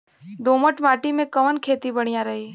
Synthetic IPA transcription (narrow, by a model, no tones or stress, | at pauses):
d̪oːməʈmaːʈimẽkɐʋənkʰeːt̪ibɐɽ̃ijaɾɐɦiː